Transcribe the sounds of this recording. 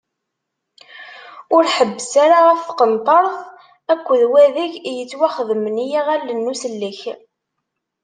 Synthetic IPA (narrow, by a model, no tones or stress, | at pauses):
ʊɾħəbːəsaɾaʁəfθqənt̪ˤəɾˤθ | ækʷːəðwæðiʝjət͡sːwæχðəmənijiʁælːənːusəlːiç